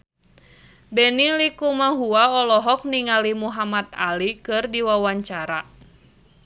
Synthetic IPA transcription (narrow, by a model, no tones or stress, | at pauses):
bɛnilikumaɦuaɔlɔɦɔk̚niŋalimuɦamat̪̚a̰likɨrdiwawaɲt͡ʃaɾa